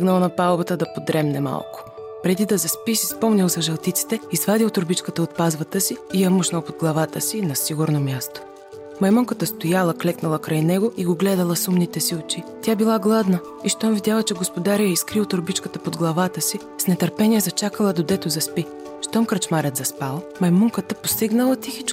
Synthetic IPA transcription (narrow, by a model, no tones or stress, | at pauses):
ɡnɐlˠnɐpalˠbət̪əd̪ɐpod̪ɾɛmnɛma̰lˠkʊ̥ | pɾɛd̪id̪ɐzɐspisispɔmnʲɐlˠzɐʒɛlˠt̪it̪si̥t̪ɛizvad̪ilˠt̪oɾbit͡ʃkət̪əot̪̚pazvɐt̪əsiːjɐmuʃnəlˠpod̪ɡlˠɐvat̪əsinɐsiɡʊɾnomʲjast̪o̥ | mɐjmɔŋkət̪əst̪ojalˠəklɛknɐlˠɐkɾajnɛɡoiɡoɡlɛd̪əlˠɐsumnit̪ɛsiot͡ʃit̪ʲabilˠaɡlˠad̪nə | iʃt̪ɔmvid̪ʲjalˠət͡ʃɛɡospod̪aɾijɛiskɾilˠt̪oɾbit͡ʃkət̪əpod̪ɡlˠɐvat̪əsi | snɛt̪ɐɾpɛniɛzɐt͡ʃakəlˠəd̪od̪ɛt̪ozɐspi | ʃt̪ɔmkɾɐt͡ʃmaɾɛt̪zɐspalˠmɐjmɔŋkət̪əpost̪iɡnɐlˠət̪ixit͡ʃ